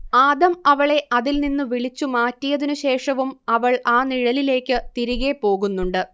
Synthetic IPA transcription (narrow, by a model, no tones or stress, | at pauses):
aːd̪ɐmɐʋɐɭe̞ʔɐðilninːɨʋiɭit͡ɕːumaːtːijɐðinuɕe̞ːʂɐʋumɐʋɐɭaːniɻɐlile̞ːkːɨt̪iɾiɣe̞po̞ːɣunːuɳɖɨ